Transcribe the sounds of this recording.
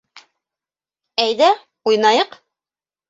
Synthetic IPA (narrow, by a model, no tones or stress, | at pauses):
æjðæ | ujnɑjɤq